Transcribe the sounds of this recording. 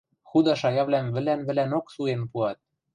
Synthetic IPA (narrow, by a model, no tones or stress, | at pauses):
xud̪ɑʃɑjɑβlæmβɘ̆lænβɘ̆lænoksuenpuɑt̪̚